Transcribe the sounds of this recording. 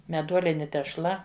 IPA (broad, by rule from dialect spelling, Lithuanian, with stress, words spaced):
mʲɛˈduɔlʲɪnʲɪ tʲɛʃˈlˠɐ